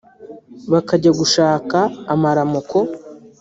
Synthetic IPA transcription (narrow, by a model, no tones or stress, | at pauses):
βakaɟaɡuʃaːkaːmaɾamukʰo̞